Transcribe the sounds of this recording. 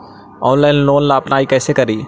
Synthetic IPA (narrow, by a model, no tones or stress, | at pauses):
ɔːnlɛnloːnlaːpnaːikɛːsekɐɾiː